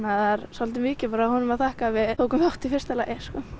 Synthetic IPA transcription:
naðaɾsalt̪ɪmɪːcɪpaːɾahɔnʏmaðθahkavɪðtʰoːwkʏmawht̪ɪfɪrst̪ɛlaʔɛskɔ

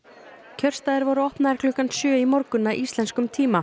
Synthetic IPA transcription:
cʰœr̥st̪aðɪɾvɔɾʏɔhpnaɛɾklʏkansjœːimɔɾkʏnːaʔist̪lɛnskʏmt̪ʰiːma

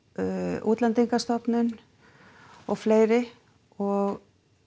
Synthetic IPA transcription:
uːt̪lant̪iŋkast̪ɔpnʏn | ɔɣfleːjɾɪ | ɔɣ

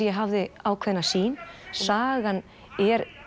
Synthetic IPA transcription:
jɛɦavðɪaːwkʰvɛðnːasiːnsaːɣan | ɛɾ

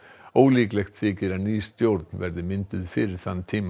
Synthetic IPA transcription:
oːwliːklɛxt̪θɪːcɪɾaðniːst̪jowɾt̪nvɛɾðɪmɪnt̪ʏðfɪɾɪɾ̥θanːt̪ʰiːm

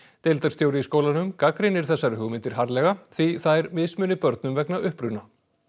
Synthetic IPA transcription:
t̪elt̪aɾ̥st̪joːwɾɪiskoːwlanʏmkakɾɪnɪɾ̥θɛsːaɾɦʏɣmɪnt̪ɪɾ̥ɦaɾlɛɣaθiθajɾmɪsmʏːnɪpœɾt̪nʏmvɛknaʏhpɾʏna

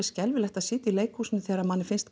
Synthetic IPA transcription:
ɪscɛlvɪlɛxt̪aðsɪːt̪ɪileːjkhuːsɪnʏθɛːɾamanːɪfɪnst̪

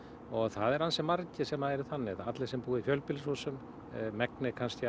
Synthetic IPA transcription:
ɔɣθaðɛɾhansɛmːaɾcɪsɛmaðɛɾɪθanːɪðat̪lɪsɛmpuːɪfjœlpɪlsɔsʏm | mɛknɪkʰanst̪j

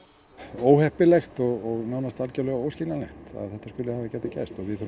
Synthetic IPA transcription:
oːwhɛhpɪlɛxt̪ɔɣɔɣnaːwnast̪alcɛlɛɣowscɪlanlɛxt̪a̰ðθɛht̪ːaskʏlɪhaːvɪcɛːt̪acɛ̰st̪ɔɣvɪðθu

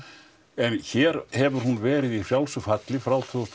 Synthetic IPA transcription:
ɛnçɛːɾhɛvʏɾ̥hunvɛːɾɪði̥fjawlsʏfat̪lɪfɾaːwt̪ʰœðst̪

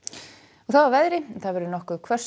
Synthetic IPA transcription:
ɔɣθawawvɛðɾɪθaðvɛɾʏɾʏnɔhkʏðkʰvœ̥s

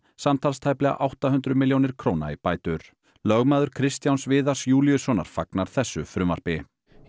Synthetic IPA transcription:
samt̪ʰalst̪ʰajplɛɣa̰ʔawht̪aɦʏnt̪ɾʏmɪljownɪɾ̥kʰɾoːwna̰ipaːjt̪ʏɾ̥ | lœɣmaːðʏɾ̥kʰɾɪst̪jawnsvɪːðḁsjuːljʏsɔna̰ɾ̥faknaɾ̥θɛsːʏfɾʏmaɾ̥pɪ

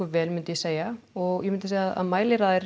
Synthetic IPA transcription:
ʏvɛːlmʏnt̪ʏjɛseːjaɔɣjɛmʏnt̪ɪseːjaaða̰ðmaːjlɪɾaːðɪɾ

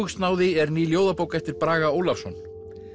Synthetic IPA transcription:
st̪naːwðɪɛɾniːljoːwðapoːwkɛft̪ɪɾpɾaːɣaoːwlafsɔn

